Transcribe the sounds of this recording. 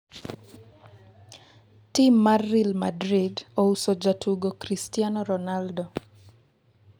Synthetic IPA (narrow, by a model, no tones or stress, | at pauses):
timːarːilmadɾidousod͡ʒatʰuɡokɾistianɔɾɔnaldɔ